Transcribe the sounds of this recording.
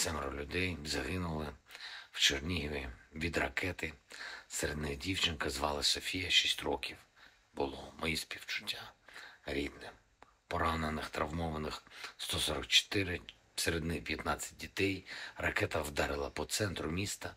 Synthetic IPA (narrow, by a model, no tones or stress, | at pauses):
t̪sɛmɾɔlʲʊd̪ɛjzɐɦɪnʊlˠɪw̥t͡ʃernʲiɦiɪʋʲid̪rɐkʰɛt̪ɪseɾed̪nɪxdʲiwt͡ʃɪnkɐzʋɑlˠɪsɔfʲijɐʃisʲtʲrɔkʲiw | bʊlˠɔmɔjispʲiwt͡ʃʊ̥tʲːaɾʲid̪nɪ | pɔɾɑnenɪxt̪ɾɐʋmɔʋɐnɪxst̪ɔsɔɾɐk̚t͡ʃɔ̥t̪ɪɾɪ | seɾed̪nɪxpʲjɐt̪nɑt͡sʲːɐ̥t̚ʲdʲit̪ɛjrɐkɛt̪ɐwd̪ɑɾɪlˠɐpɔt̪sɛnt̪ɾʊmʲist̪ɐ